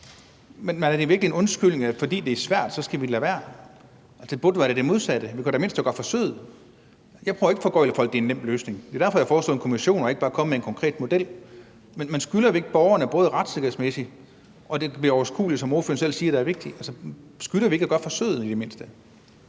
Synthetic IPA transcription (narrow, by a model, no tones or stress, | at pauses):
menmænæɐd̥e̝ʋiɐɡ̥lienɔ̽nsɡ̥yl̰ne̝ŋæfɒ̽d̥ḭːd̥e̝æɐsʋæɐ̰d̥sɒ̽sɡ̥æʋi̥læʋæɐ̰ | ælsəb̥od̥ʋɑɾed̥emo̝ð̞ˠsæd̥əʋikʰud̥eme̝n̰sd̥æɡ̥ɒ̽d̥fɒ̽søð̩ˠ | jɑ̈ɪpʰœʊɐe̝ɡ̥əfɒ̽ɡ̥ɒɪləfɒ̽l̰ɡ̥d̥eenem̰b̥løːsne̝ŋd̥e̝dæɐfɒ̽jɑ̈fɒːslɔ̰ðˠenkʰo̝miɕo̝̰ːnɒ̽eɡ̥ə̥bɑ̈ːkʰɒ̽məmeenkʰɒ̽ŋkʰʁɛ̰ːd̥mo̝d̥el̰ | menmænsɡ̥ylɐe̝ɡ̥əb̥ɒʊɐnəb̥ɔ̽ːð̞ˠʁɑ̈d̥seɡɐhð̩ˠsmesi̥ | ʔɒ̽d̥e̝b̥liɐɒʊɐsɡ̥ṵːlid̥sɒmo̝ɐfø̰ɐnsel̰siːɐɾ̥eæɐʋe̝ɡ̥̚d̥iælsəsɡ̥ylɐʋieɡ̥æɡ̥ɒ̽d̥fɒ̽sø̰ð̩ˠid̥e̝me̝n̰sd̥ə